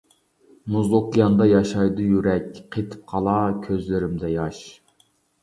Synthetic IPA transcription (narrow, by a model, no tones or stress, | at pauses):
nuzˠokʲijɑnd̪ɑjɑʃɑjd̪ɨjyɾɛkʲqʰet̪ʰɪ̥p̚qʰɑlˠɑkʲʰøzlɪɾɪmd̪ɛjɑʃ